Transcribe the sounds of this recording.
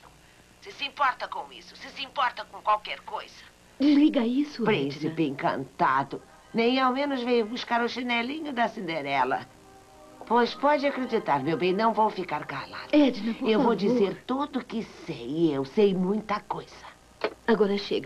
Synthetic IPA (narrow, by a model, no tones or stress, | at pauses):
sɪsɪĩmpɔɾt̪ɐkõw̃ḭsʊ̥sɪsɪĩmpɔɾt̪ɐkõkwawkɛɾkojz̥ɐ̥ | d͡ʒɪzliɡɐisʊpɾĩsipẽŋkɐ̰̃nt̪ad̪ʊ | nẽj̃awmẽnʊzvẽjʊbuʃkaɾʊʃinɛlĩɲʊd̪ɐsind̪eɾɛlɐ̰ | pojspɔd͡ʒɪakɾed͡ʒit̪aɾmewbẽj̃nɐ̃w̃vowfikaɾkala̰d̪ʊɛd͡ʒinɐ̃ewvowd͡ʒizeɾt̪od̪ʊkɪsejewsejmũj̃t̪ɐkojz̥ɐ | aɡɔɾɐʃḛɡɐ